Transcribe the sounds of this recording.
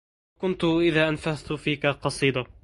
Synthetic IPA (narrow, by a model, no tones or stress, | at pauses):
kʊnt̪ʊʔɪðaːʔanfaðt̪ʊfiːkaqɑsˤiːd̪ɑ